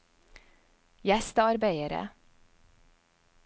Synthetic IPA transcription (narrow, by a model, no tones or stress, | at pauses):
jæst̪ɑɾbeɪəɾə̰